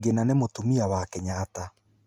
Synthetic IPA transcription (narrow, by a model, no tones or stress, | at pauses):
ɡenanemotomiawakɛɲaːta